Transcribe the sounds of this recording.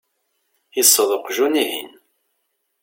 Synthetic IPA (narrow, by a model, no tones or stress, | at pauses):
isˤːəðˤoqʒunihḭn